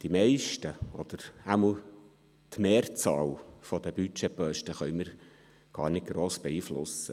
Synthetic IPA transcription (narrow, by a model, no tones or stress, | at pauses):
d̪̥imɛɪʃtəɔd̪̥əɾæml | t̪meːɾt͡sɑːlfɔd̪əbyt͡ʃɛpœʃtəχœʏməɾ | ɡ̥ɑ̰ːɾnɪt̚ɡ̥ɾoːsb̥ɛiːflʊ̰sə